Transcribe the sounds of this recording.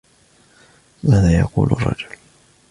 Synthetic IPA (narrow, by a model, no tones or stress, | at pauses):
maːðaːjɑ̰qṵːlɑrˤːɑ̰d͡ʒʊl